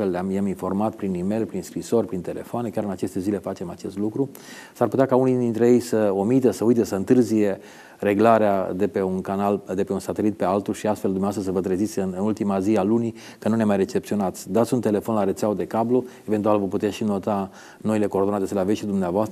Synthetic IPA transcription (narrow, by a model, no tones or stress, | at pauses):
elleamjaminfo̞rmat̪pɾinime̞jlpɾinskɾiso̞rʲpɾint̪e̞le̞̰foane̞kʲaɾɨnat͡ʃe̞st̪e̞zile̞fat͡ʃe̞mat͡ʃe̞st̪lukɾu | sarput̪eakaunid̪int̪ɾe̞je̞jsəomit̪esəujt̪esəɨnt̪ɨrzije̞ | ɾe̞ɡlaɾead̪e̞peunkanald̪e̞pe̞unsat̪e̞lit̪̚pe̞alt̪ulʃiast̪feld̪umneast̪ɾəs̬əvət̪ɾezit̪sʲɨnɨnult̪imazialuni | kənunemajre̞t͡ʃep̚tsio̞nat̪sʲd̪at̪sʲunt̪e̞le̞fo̞nlaɾet͡ʃ̪awod̪e̞kabloe̞vet̪ualvoput̪eeʃino̞t̪a | no̞ile̞koːrd̪oat̪esəleaveʃid̪umneavoast̪ə